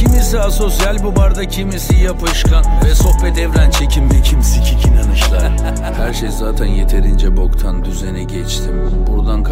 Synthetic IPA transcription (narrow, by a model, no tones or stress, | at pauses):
imisiaso̞sijalʲbubaɾd̪acʰimisijapʰɯʃkʰanvɛso̞hpɛt̪ɛvɾænt͡ʃʰe̞cʰimmɛcʰimsicʰicʰinanɯʃlˠaɾ | hæɾʃejzaːt̪ʰænje̞t̪ʰe̞ɾind͡ʒɛbo̞kt̪ʰand̪yzenɛɟɛt͡ʃt̪ʰimbuɾd̪ankʰ